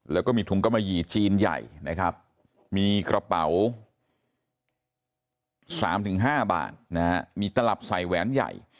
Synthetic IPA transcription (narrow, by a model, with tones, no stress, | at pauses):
lɛː˦˥kɔː˥˩miː˧t̪u˨˩˦ŋka˧mːa˧jiː˨˩t͡ɕiː˧nja̰˨˩jna˦˥kʰɾa˦˥p̚ | miː˧kɾʔa˧pa̰˩˦w | saː˩˦mt̪ʰɯ˩˦ŋɦaː˥˩ba̰ː˨˩t̪̚na˦ha˦˥miː˧t̪a˧la˨˩p̚sa˨˧˩jwɛː˦˥nja̰˨˩j